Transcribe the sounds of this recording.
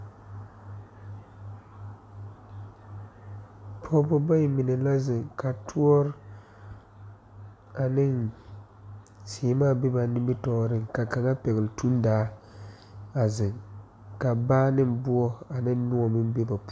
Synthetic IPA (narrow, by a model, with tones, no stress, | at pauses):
pʰɔ˦bɔ˦ba˦ji˨mɪ˨ne˨la˦zɪ˨ŋka˨tʰu˦ɔ˦ɾ | a˨nɪ˦ŋ | si˨maː˦˨be˦ba˨nɪ˦mbɪ˦tɔː˦ɾɪ˦ŋka˨ka˨ŋa˦pɛ˨ɣɪ˨ltu˦n˦daː˨˦ | a˨zɪ˨ŋ | ka˨baː˦nɪ˦mbu˦ɔ˦a˨nɪ˦n˦nu˦ɔ˨mɪ˦m˦be˦ba˨p